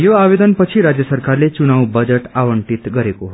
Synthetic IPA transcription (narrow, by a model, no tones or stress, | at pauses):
joaʋed̪ənpət͡ɕʰiɾad͡ʑjəsəɾkaɾlet͡sunawbəd͡ʑəʈaʋəɳʈit̪ɡʱəɾeko